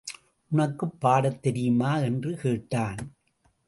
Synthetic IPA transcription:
ʔʊnɐkːɯpːaːɽɐt̪ːɛɾɪjɯmaːɛndrɯkeːʈːaːn

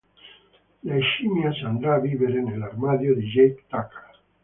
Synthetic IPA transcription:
laeʃimjasand̪ɾaːβiβeɾenelaɾmaðjoðeʒejkt̪akḁ

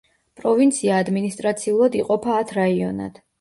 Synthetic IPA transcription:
pʼɾɔvint̪sʰiaːd̪minist̪ʼɾat̪sʰiulˠad̪iqʼɔpʰaːt̪ʰɾaiɔna̰d̪̥

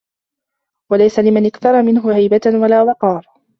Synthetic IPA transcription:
walajsalɪmanʔɪkθɑɾˤɑmɪnɦʊhajbatwalaːwɑqɑːɾˤ

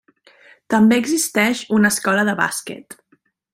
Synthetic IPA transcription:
t̪əmbeəɡzist̪ɛʃunəskɔləðəβa̰skɛ̰t̪

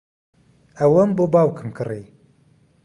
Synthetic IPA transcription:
ɐwɐmbobaːwkʰɨmkɨri

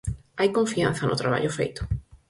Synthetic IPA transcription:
ajkõɱfian̟θɐnʔʊt̪ɾaβa̰ʎʊfḛjt̪ʊ̥

